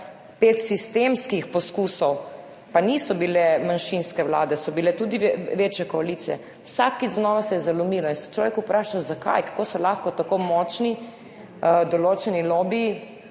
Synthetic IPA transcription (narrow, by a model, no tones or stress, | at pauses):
pet̪sist̪emskixpɔskuːsɔw | panisɔbilɛmanʃinskɛwla̰ːd̪ɛsɔbilɛt̪ud̪iʋeːt͡ʃjɛkɔaliːt̪sijɛ̰ | wsakːiznɔːʋasɛjɛzalɔmiːlɔinsɛ̥t͡ʃlɔːʋjɛkupɾaːʃazaka̰jkḁkosɔlaxkɔt̪akomɔt͡ʃni | d̪ɔloːt͡ʃɛnilobi